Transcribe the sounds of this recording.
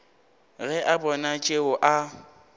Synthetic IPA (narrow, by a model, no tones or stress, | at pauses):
ɣɛʔabɔnat͡ʃʼeʊʔa